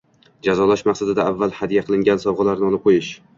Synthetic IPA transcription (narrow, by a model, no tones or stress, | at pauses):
d͡ʒazɒlˠaʃmaqsad̪ɪd̪aːvːalˠhad̪jaqʰɨlˠɪŋɡʲansɒbʁɑlaɾnɪɒlˠɪp̚qʰojɪʃ